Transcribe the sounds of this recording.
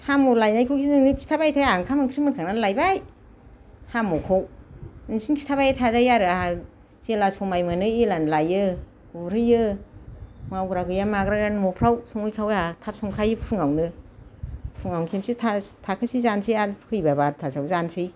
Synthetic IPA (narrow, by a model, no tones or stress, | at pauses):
sʰamolajnajkʰɯkʰinɯnɯkʰi̥tʰabajtʰajaŋkʰamɯŋkʰɾimɯnkʰaŋnanlajbaj | samokʰownɯŋsinkʰi̥tʰaβajatʰazajaɾɯaa | zelaspʰɔmajmɯnɯelanlajɯ | ɡuɾɯjɯ | mawɡɾaɡɯjamaɡɾaɾanmɔpʰɾawsɔŋɯjkʰawatʰap̚sɔŋkʰajɯpʰɯŋawnɯ | pʰuŋawnkʰemsitʰatʰakʰɯsizansijaɾkʰɯjbabaɾtʰasawzansij